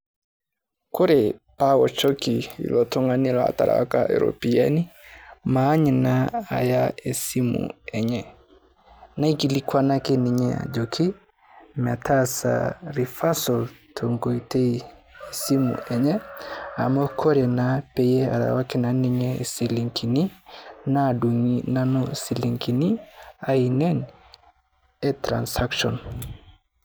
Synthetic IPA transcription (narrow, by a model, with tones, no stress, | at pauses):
ko˦ɾe˨pa˦wɔ˨t͡ʃɔ˦ki˨ḭ˨lɔ˨to˦ŋa˦ni˦la̰˨ta̰˨ɾa̰˨wa̰˦ka˦ʔḛ˨ɾo̰˨pi˨ɛ˦ni˦maː˨˦ɲe˨na˦a̰˨ja˦e˨si˦mṵ˨ɛ˨ɲɛ˨ | na˦i˦ki˨li˦kʰwa˦na˦ke˦ni˨ɲɛ˦a̰˨d͡ʒo˨kʰi˦ | ma˨tʰa˦sa̰˨ɾi˨fa˦sɔ˨ltʰo˨ŋɡo˨ite˦ie˨si˦mṵ˨ɛ˨ɲɛ˦a̰˨mɔ˦kʰɔ˦ɾe˨nape˨je˦a̰˨ɾa̰˨wa˦kɪ˦na˨ni˦ɲɛ˨si˨li˨ŋkʰi˨ni˦na˦du˨ŋina˦nu˦si˨li˨ŋki˨ni˦a˦i˨nɛ˦n | e˦tɾa̰˨nsa˦kʃɔ̰˨n